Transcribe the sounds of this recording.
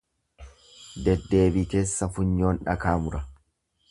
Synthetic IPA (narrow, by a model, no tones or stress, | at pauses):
d̪ɛd̪ːe̞ːbiːke̞ːsːɐfʊɲːo̞ːnᶑɐ̰kaːmʊɾɐ